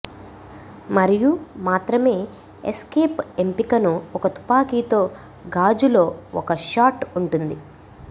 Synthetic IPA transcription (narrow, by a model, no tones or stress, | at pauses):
mɐɾijumaːt̪ɾɐme̞ː | eskeːpempikɐnuɔkɐt̪u̥paːkiːt̪o̞ː | ɡaːd͡ʒulo̞ːɔkɐʃaːʈuɳʈund̪i